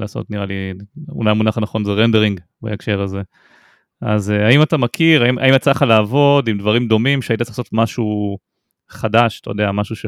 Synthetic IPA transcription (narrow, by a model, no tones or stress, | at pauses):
laːso̰tniʁaliṵlajmunaχanaχo̞nzeʁendeʁiŋɡ | ba̰ekʃe̞ʁaze̞ | a̰zeaimatamakʰiʁaimʔa̰imat͡saχalaːvo̞dimdvaʁimd̪o̞mimʃeaitat͡saasotmaʃu | χadaʃtajod̪eamaʃuʃe